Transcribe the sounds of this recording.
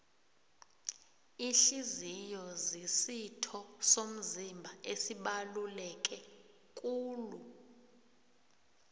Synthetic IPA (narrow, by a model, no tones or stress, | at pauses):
iɬizijɔzisitʰɔsom̩zimbʱaʔesiɓalulɛk̬ʼɛ | kʼuːlu